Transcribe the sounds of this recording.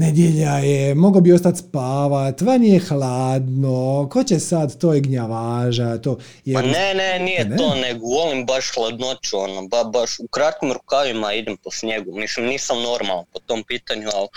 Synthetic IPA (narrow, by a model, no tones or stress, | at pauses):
ned̪jeʎajemo̞ɡobio̞st̪at̪spaːʋat̪ʋanijexlaːd̪noko̞t͡ɕesad̪t̪oːjeɡɲaʋaːʒat̪oː | jeanenenijeneoːneɡoʋolimbaʃxlˠad̪not͡ʃuonobabaʃukɾat̪̚kimɾukaʋimaid̪emposɲeɡumislimniːsamno̞ɾmalˠanpot̪o̞mpiːt̪aɲual